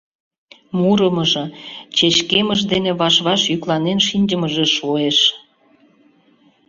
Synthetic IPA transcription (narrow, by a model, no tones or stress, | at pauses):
muɾəməʒɤ̆t͡ɕeɕkeməʃd̪eneβɑʃβɑʃjyklɑnenʃinʲd͡ʑəməʒeʃoeʃ